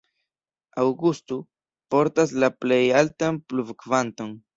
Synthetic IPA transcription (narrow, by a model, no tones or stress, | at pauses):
awɡust̪u | po̞ɾtaslaple̞jaltanpluvkvanto̞n